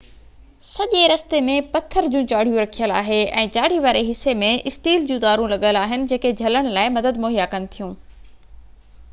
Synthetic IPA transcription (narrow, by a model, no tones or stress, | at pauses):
sɐʄeɾɐst̪emẽpɐt̪ʰəɾd͡ʑũt͡ɕaːɽ̤ijũɾɐkʰijəla̰ːɦeɛ̰̃ːt͡ɕaːɽ̤iʋaːɾeɦɪsːemẽɪsʈiːld͡ʑũːd̪aːɾũlɐɠəlaːɦɪnɪ̆d͡ʑeːked͡ʑʱɐləɽ̃laːɪmɐd̪əd̪moːɦijakɐnɪ̆t̪ʰijũː